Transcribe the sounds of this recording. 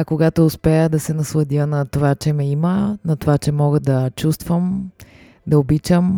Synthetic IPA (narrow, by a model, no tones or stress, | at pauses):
ɐkoɡat̪oːspɛjəd̪ɐsɛnɐslˠɐd̪ʲiənɐt̪ovat͡ʃɛmɛimənɐt̪ovat͡ʃɛmɔɡəd̪ɐt͡ʃust̪vəm | d̪ɐobit͡ʃəm